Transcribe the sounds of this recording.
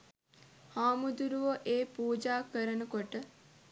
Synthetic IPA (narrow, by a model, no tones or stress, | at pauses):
haːmud̪uɾuʋəʔeːpuːd͡ʒaːkəɾənəkoʈə